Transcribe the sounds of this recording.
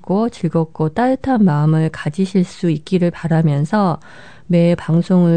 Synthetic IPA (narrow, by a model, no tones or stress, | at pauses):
k͈ot͡ɕiɭɡʌk̚k͈ot͈aɯtʰanmaɯmɯɭkad͡ʑiɕʰiɭs͈uik̚k͈iɾɯɭpaɾamjʌnsʰʌ | me̞paŋsʰoŋɯ